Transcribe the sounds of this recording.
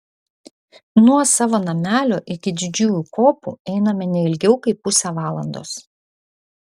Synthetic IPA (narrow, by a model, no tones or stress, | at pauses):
nuɔsɑːʋoːnɐmʲæːlʲoːʔɪkʲɪd̪ʲɪd͡ʒʲuːjukoːpṵɛɪnɐmʲɛnʲɛɪlʲɡʲɛʊkɐɪpːʊsʲɛʋɑːlˠɐ̰nd̪o̰ːs